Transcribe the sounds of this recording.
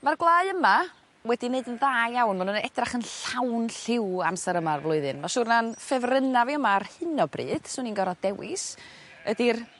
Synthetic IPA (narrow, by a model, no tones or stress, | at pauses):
marɡlˠaːɨəma | wɛdineɨdənðaːjawnmanunɛdraχənɬawnɬɪwa̰msɛɾəmarvlˠʊɨðɨnmaʃuːrnanfɛvrənaviəmaːrhɨnɔbrḭːd̥suninɡɔɾad̥ɛwɪ̰s | ədir